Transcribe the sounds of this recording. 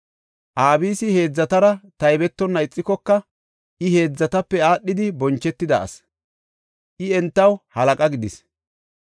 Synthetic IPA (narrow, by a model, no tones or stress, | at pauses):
ʔaːbiːsɪhe̞ːd͡zːɐt̪ɐɾɐt̪ɐjbɛt̪ːɔnːɐɪt͡sʼːɪkɔkːɐ | ʔɪhe̞ːd͡zːɐt̪ɐpːɛaːɗːɪd̪ɪbɔnt͡ʃːɛt̪ːɪd̪ɐ̰ɐ̰s | ʔɪɛnt̪ːɐwhɐlɐkʼɐɡɪd̪ɪs